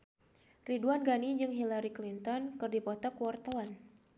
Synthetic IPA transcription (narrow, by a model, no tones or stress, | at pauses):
riduanɡanid͡ʒɨŋɦilaɾiklint̪ɔnkɨrdipɔt̪ɔkuwart̪awan